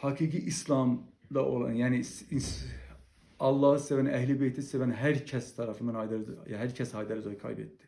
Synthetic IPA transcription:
hɑɡiːɡiʔislˠɑmd̪ɑʔo̰lˠɑ̰njæːnii | ɑlˠːɑːhɯsevænæɦlibejt̪ʰisevænɦæɾcʰæst̪ʰɑɾɑfɯnmɑnɑjd̪æɾjɦæɾcʰæsɑːjd̪æɾzɑkʰɑ̰jbḛt̪d̪i̥

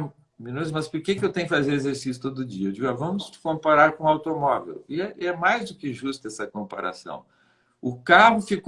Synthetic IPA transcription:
mĩnut̪ʊsmɐspoɾkekɪewt̪ẽj̃kɪfazeɾezeɾsisjʊ̥t̪od̪ʊʊd͡ʒiɐd͡ʒiavɐ̃mʊst͡ʃɪ̥kõpaɾaɾkõawt̪omɔvḛwɪɛɛmajzd̪ʊkɪʒust̪ɛsɐkõmpa̰ɾa̰sɐ̰̃w̃ | ʊkaɦʊfik

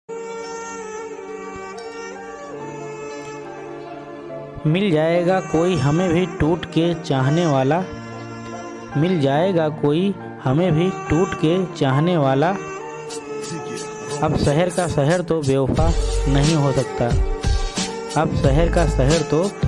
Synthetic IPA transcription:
mɪld͡ʒaːeːɡakoːiɦɐmẽbʱiʈuːʈket͡ʃaːɦneʋaːla | mɪld͡ʒaːeːɡakoːi | hɐmẽbʱiʈuːʈket͡ʃaːɦneʋaːla | ɐbsɛɦəɾkasɛɦəɾt̪obeːfanɐɦĩɦosɐkt̪aː | ɐbsɛɦəɾkasɛɦəɾt̪o

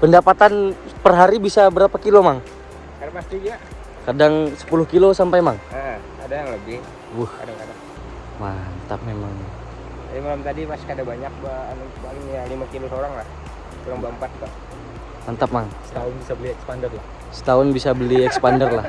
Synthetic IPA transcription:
pəndapat̪anpərɦaɾibisabəɾapakilomaŋ | kadapast̪id͡ʒa | kadaŋsə̥pulʊhkilosampajmaŋə | adajaŋləbɪh | waha̰dakada | mant̪ap̚memaŋ | aimalamt̪adipaskadabaɲak̚ban | baiŋalimakilosoɾaŋlah | kuɾaŋbaəmpat̪̚pa | mant̪ap̚maŋsə̥t̪aʊnbisabəliɛkspandərlah | sə̥t̪aʊnbisabəliɛksə̥pandərlah

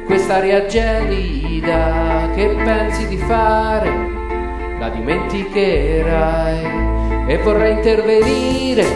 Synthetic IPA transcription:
kwest̪aɾjad͡ʒɛli | d̪ak̟epːɛnsid̪ifaɾe | la̰d̪iment̪ikeɾaj | evːorːajint̪erveniɾe

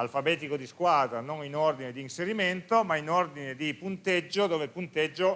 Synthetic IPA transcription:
alfabɛːt̪ikod̪iskwaːd̪ɾanoninord̪ined̪iːnseɾiment̪omainord̪ined̪ipunt̪ed͡ʒːod̪oːvelpunt̪ed͡ʒːo

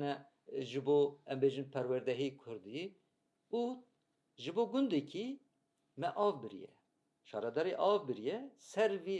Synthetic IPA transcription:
nɛ | ʒɨboːɛmbeːʒɨnpʰɛɾwɛɾd̪ɛɦekʰʊɾd̪i | u | ʒɨboːɡʊnd̪ekʰi | mɛʔɑːvbɨɾḭjɛ̰ | ʃɑːɾɛd̪ɑːɾeʔɑːvbɨɾijɛsɛɾvi

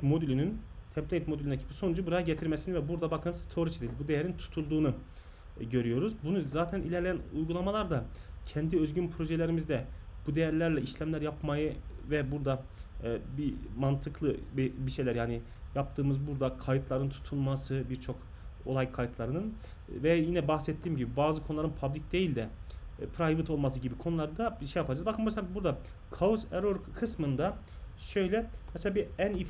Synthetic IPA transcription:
mo̞d̪ylʲynynt̪ʰɛmt̪ʰnet̪moylʲynecʰi̥pʰi̥so̞nud͡ʒubuɾajaɟet̪ʰiɾmesinivɛbuɾd̪abakʰɯnst̪ʰo̞ɾit͡ʃʰed̪ilʲbud̪ejɛɾint̪ʰu̥t̪ʰulˠd̪uːnu | ɟø̞ɾyjo̞ɾuzbunuzaːt̪ʰænḭlʲɛɾlʲejænujɡulˠamalˠaɾd̪acʰɛnd̪iøzɟynpʰɾo̞ʒelʲeɾimizd̪ɛb̥ud̪ejæɾlʲæɾlʲɛiʃlʲæmlʲæɾjapmajɯvɛbuɾd̪a | bimant̪ʰɯklˠɯbibiʃe̞jlʲæɾjaːni | jap̚t̪ʰɯːmɯzbuɾd̪akʰajɯt̪ʰlˠaɾɯnt̪ʰu̥t̪ʰunmasɯbiɾt͡ʃʰo̞k | o̞̰lˠajkʰajt̪lˠaɾɯnɯn | vɛjinɛbaxsɛt̪ʰːiːmɟibibaːzɯkʰo̞nulˠaɾɯnpʰablʲic̚d̪e̞jilʲd̪ɛpʰɾajvɯt̪ʰo̞lˠmasɯɟibikʰo̞nulˠaɾd̪abiʃejapʰad͡ʒazbakɯmmɛselʲabuɾd̪a | kʰauseɾoɾkʰɯsmɯnd̪a | ʃø̞jlʲɛmɛselʲabiænif

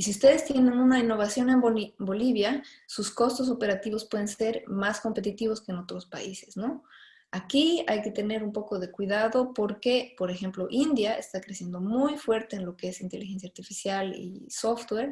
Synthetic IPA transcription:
isiust̪e̞ð̞e̞st̪je̞nẽ̞nũnainːo̞β̞asjo̞ne̞mombo̞liβja | suskost̪os̬o̞pe̞ɾat̪iβo̞spwe̞ðe̞nse̞ɾmasko̞mpe̞t̪it̪iβ̞o̞ske̞ːno̞t̪ɾo̞spa̰ise̞̥sno̞ | akiajke̞t̪e̞ne̞ɾumpo̞ko̞ðe̞kwiðaðo̞po̞ɾke̞po̞ɾexe̞mplo̞ʔind̪jae̞̰st̪akɾesje̞nd̪o̞mujfwe̞ɾt̪e̞ːnlo̞kee̞sint̪e̞lixe̞nsjaːɾt̪ifisjalḭso̞ft̪weɾ

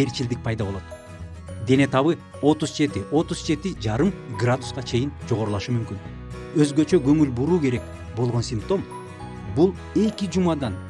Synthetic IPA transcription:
e̞ɾt͡ʃild̪ik̚pʰɑjd̪ɑβo̞lˠot̪ | d̪e̞ne̞t̪ɑβɯ | o̞t̪uzd͡ʒe̞t̪iʔo̞t̪uz̥d͡ʒe̞t̪id͡ʒɑɾɯmɡrad̪usqɑt͡ʃʰe̞jind͡ʒo̞ʁo̞ɾulˠɑʃumymkyn | ø̞zɡø̞t͡ʃø̞ɡø̞ŋylbuɾuːke̞ɾe̞k | bo̞lˠʁonsʲimpt̪o̞m | bulˠ | e̞kid͡ʒumɑd̪ɑn

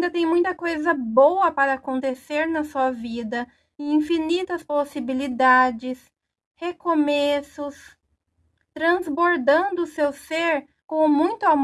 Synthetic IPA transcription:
d̪ɐt̪ẽj̃mũj̃t̪ɐkojzɐbowɐpaɾɐːkõnt̪eseɾnɐsuɐvid̪ɐ̃ | ĩfinit̪ɐsposibilid̪ad͡ʒɪs | hekomesʊs | t̪ɾɐ̃zboɾd̪ɐ̃nd̪ʊːsewseɾ | kõmũj̃t̪ʊam

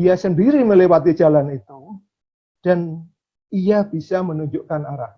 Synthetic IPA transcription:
ijasəndiɾiməlewat̪i̥d͡ʒalanit̪u | d̥an | iab̥isamənuɲd͡ʒʊʔkanaɾah

